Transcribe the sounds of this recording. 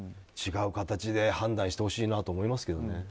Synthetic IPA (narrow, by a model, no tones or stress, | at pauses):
t͡ɕiɡaɯ̟kat̪at͡ɕid̪e̞hãnd̪ãɰ̃ɕi̥t̪e̞ho̞ɕiːnat̪oːmo̞imasɨ̥ke̞d̪o̞ne̞